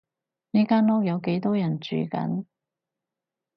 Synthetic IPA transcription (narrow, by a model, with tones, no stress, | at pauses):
niː˥kaː˥nlɔː˥k̚jɐ˨˧wke˨˥jt̪ɔː˥jɐ˨˩nt͡ʃy̰ː˨˧kɐ̰˨˧˥n